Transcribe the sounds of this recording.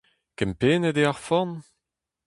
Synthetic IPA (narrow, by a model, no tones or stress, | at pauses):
kɛmpeːnəd̪eaʁfɔn